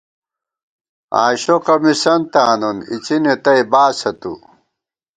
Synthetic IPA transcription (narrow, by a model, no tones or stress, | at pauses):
a̰ːɕokɐmisɐnt̪aːnonḭt͡ɕinet̪ɐibaːsɐt̪ṵ